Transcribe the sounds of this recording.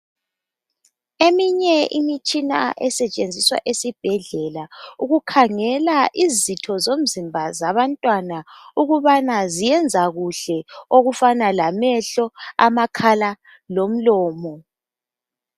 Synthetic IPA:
emiɲɛḭmit͡ʃʼina̰ʔɛsɛt͡ʃʼend͡zʱiswa̰ʔesib̥ʱɛɮɛlauɣukʰaŋɛlaʔizitʰɔzom̩zimbʱazaβantʼwanauɣuβanazijɛnd͡zʱaɣuɬɛoɣufanalamɛɬɔa̰makʰala | lom̩lɔːmɔ

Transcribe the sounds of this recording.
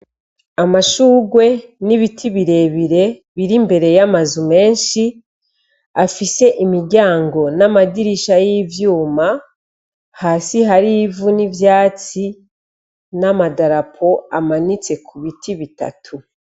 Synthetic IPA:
amaʃuːɡwe̞niβitʰiβiɾe̞βiɾe̞βiɾimbe̞ɾe̞jamazume̞ːnʃi | afise̞ʔimiɾɟaːŋɡo̞namadiɾiʃajivjuːma | haːsiɦaɾivunivjaːt͡si | namadaɾapʰo̞amanit͡se̞kʰuβitʰiβita̰tʰu

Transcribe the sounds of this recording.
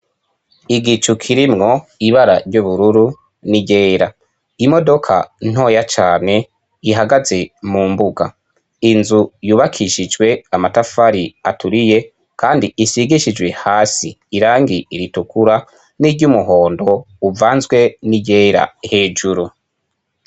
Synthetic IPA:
iɡit͡ʃukʰiɾimŋo̞iβaɾaɾɟuβuɾuɾu | niɟe̞ːɾa | imo̞do̞kʰa̰n̥o̞ːjat͡ʃaːne̞ | iɦaɡaze̞muːmbuɡa̰ | inzujuːβakʰiʃid͡ʒɡwe̞amatafaɾia̰tuɾije̞ | kaːndiisiɡiʃid͡ʒwe̞haːsiːɾaːŋɡiiɾitukuɾa | niɟɟumuɦo̞ːndo̞ | uvaːnzɡwe̞niɟe̞ːɾa̰he̞ːd͡ʒuɾu

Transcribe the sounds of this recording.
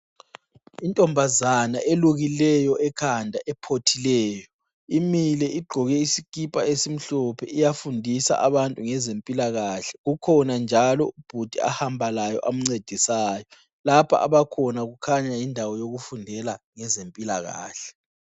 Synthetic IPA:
intʼɔmbʱazanaʔeluɣilɛjɔɛkʰandʱaʔɛpʰotʰilɛːjɔ | imilɛiɡ͡ǃʱɔɣɛisikʼipʼaesim̩ɬɔpʰɛ̰ʔijafundʱisa̰ʔaβantʼuŋɛzempʼilaɣaːɬɛ̥ɣukʰɔnand͡ʒʱalɔub̥ʱud̥ʱia̰hambʱalajɔ̰ʔam̩ŋ͡ǀed̥ʱisaːjɔ | lapʰa̰ʔa̰βakʰɔnaɣukʰaɲajindʱawɔjoɣufundʱɛlaŋɛzempʼila̰ɣa̰ːɬɛ̥

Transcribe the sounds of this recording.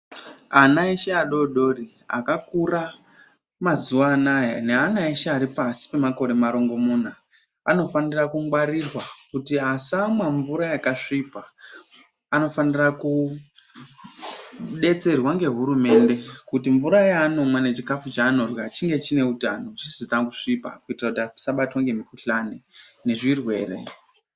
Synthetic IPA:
anaeʃeaɗo̞ɗo̞ri | a̰kakura | mazuwanaja̰ne̞anaeʃaaɾipasi̥pe̞mako̞ɾe̞maɾo̞ŋɡo̞muːna | ano̞fanirakuŋɡwaɾirwakutiasamwaɱvuɾajakaʂipa | ano̞faniraku | ɗe̞t͡se̞rwaŋɡe̞ɦuɾume̞ːnde̞kutiɱvuɾajaːno̞mwane̞t͡ʃikafut͡ʃaːno̞rjat͡ʃiŋɡe̞t͡ʃine̞utanoʐisitakuʂipa̰kuitirakutasaɓatwaŋɡe̞mikuɬanene̞ʐirwe̞̰ːre̞̰

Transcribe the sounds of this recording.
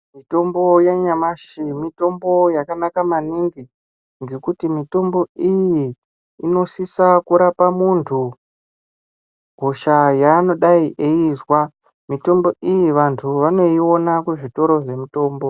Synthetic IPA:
mito̞mbo̞jaɲamaʃimito̞mbo̞jakanakamaniŋɡi | ŋɡe̞kutimito̞mbo̞ijiː | no̞sisakuɾapamuntʰu | ɡʱo̞ʃajaːno̞ɗaiʔeizwa | mito̞mbo̞ʔijiʋantʰuʋane̞io̞nakweʐito̞ɾo̞ʐe̞muto̞ːmbo

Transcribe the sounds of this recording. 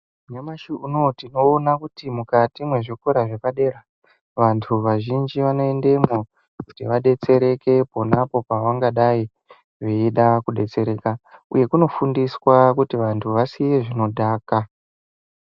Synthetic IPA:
ɲamaʃiuno̞tino̞ːnakutimukatimwe̞ʐikoɾaʐepaɗe̞ra | ʋantʰuʋaʒind͡ʒiʋano̞e̞nde̞mo | kutiʋaɗe̞t͡se̞ɾe̞ke̞po̞napo̞paʋaŋɡaɗai | ʐeiɗakuɗe̞t͡se̞ɾe̞ːkaṵje̞kuno̞fundiswakutiʋantʰuʋasijeʐino̞dʱaːka

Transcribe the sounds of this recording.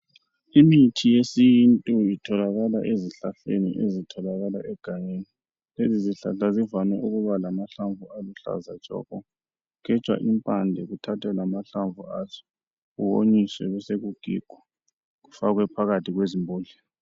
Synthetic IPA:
imitʰijesijintʼuitʰɔlaɣala̰ʔeziɬaɬḛnḭʔezitʰɔlaɣalaʔɛɡ̥ʱaɲeni | leziziɬa̰ɬazivanwɛ̰ʔuɣuβalamaɬaɱvʱualuɬa̰zat͡ʃʼɔ̰ɣɔ | kʰɛt͡ʃʼwa̰ʔimpʼandʱɛɣutʰatʰɛlamaɬaɱvʱuazɔ̥ | ɣuwoɲiswɛβɛseɣuɡ̥ʱḭɡ̥ʱɔ | ɣufaɣwɛpʰaɣatʰiɣwezimbʱoːɮɛ

